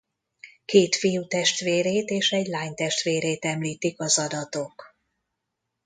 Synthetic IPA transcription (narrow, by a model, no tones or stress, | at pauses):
keːt̪fijut̪ɛʃt̪ʋeːɾeːt̪eːʃɛɟlaːɲt̪ɛʃt̪ʋeːɾeːt̪ɛmliːt̪ikɒzɒd̪ɒt̪o̞k